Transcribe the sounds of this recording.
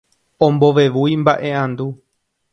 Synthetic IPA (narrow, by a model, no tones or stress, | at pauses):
õ̞mbo̞ʋe̞ʋujmbaʔe̞ãnd̪u